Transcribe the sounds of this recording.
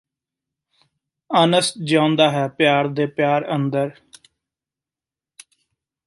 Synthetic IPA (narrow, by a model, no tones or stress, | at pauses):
ənəsd͡ʒãːnd̪aːɦɛːpjaːɾd̪eːpjaːɾənd̪əɾ